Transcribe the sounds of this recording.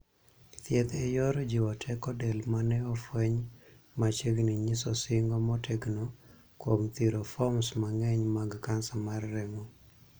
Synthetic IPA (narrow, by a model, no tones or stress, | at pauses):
t̪jɛt̪ɛjɔɾd͡ʒɪwɔtʰɛkɔdɛlmanɛɔfwɛɲ | mat͡ʃeɡniɲisɔsɪŋɡɔmɔtɛɡno | kwomt̪iɾofɔmsmaŋɛɲmaɡkansamarːɛmɔ